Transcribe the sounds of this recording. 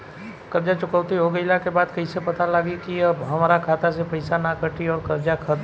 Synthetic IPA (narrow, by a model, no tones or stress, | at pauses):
kɐɾd͡ʒat͡ʃʊkəʊt̪iɦoɡəilakebaːd̪kɐisepɐt̪alaɡikiɐbɦɐmaːɾakʰaːt̪asepɐɪsanakəʈʰiɔːɾkɐɾd͡ʒakʰət̪